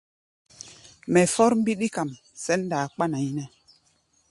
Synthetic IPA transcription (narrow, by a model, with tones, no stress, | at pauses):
mɛ˨fɔ˦ɾm̩˦bi˦ɗi˦ka˨m | sɛ˦nːdaː˨k͡pa˦na˨i˦nɛ˨